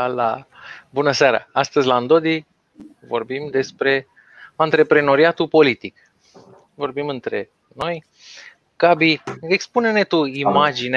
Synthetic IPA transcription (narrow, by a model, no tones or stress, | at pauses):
labunəseaɾa̰ast̪əzʲlaand̪o̞d̪i | vo̞̰rbimd̪e̞spɾe̞ | ant̪ɾe̞pɾe̞no̞ɾiat̪upo̞lit̪ik | vo̞rbimɨnt̪ɾe̞̰ | no̞j | kabiekspunene̞t̪uimad͡ʒine